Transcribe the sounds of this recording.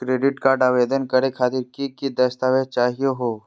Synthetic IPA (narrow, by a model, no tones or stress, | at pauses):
kɾeːɖɪʈkaːɾɖaːʋeːd̪ənkɐɾekʰaːt̪ɪɾkikid̪ɐst̪aːʋet͡ʃaːɦijeɦoː